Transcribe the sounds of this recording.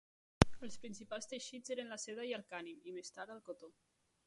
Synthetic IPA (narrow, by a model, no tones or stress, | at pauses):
əlˠspɾinsipalˠst̪əʃizeɾənləsɛðəiəlˠkanimimest̪aɾðəlˠkot̪o